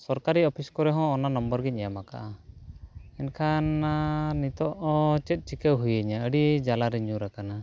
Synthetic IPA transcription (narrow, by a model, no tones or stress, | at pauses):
sɔɾkaɾiɔpʰiskɔɾɛɦɔ̃ːnanɔmbəɾɡiɲɛjamaka̰ʔa | ɛnkʰannit̪ɔʔt͡ʃɛt̪̚ˀt͡ʃikəwɦujəɲaəɖid͡ʒalaɾiɲũɾakana